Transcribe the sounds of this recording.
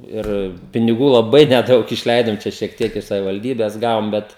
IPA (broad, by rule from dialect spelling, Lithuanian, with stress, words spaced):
ˈɪr pʲɪnʲɪˈɡuː lˠɐˈbɐɪ nʲɛˈdɐʊk ɪʃʲˈlʲɛɪdoːm ˈt͡ʃʲɛ ʃʲiɛk ˈtʲiɛk ɪʃ sɐʋʲɪʋɐlʲˈdʲiːbʲɛs ˈɡɑːʋoːm ˈbʲɛt